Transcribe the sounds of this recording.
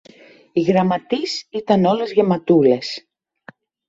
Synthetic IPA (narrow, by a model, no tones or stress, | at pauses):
iɣɾɐmɐt̪isit̪ɐno̞lezʝemɐt̪ule̞s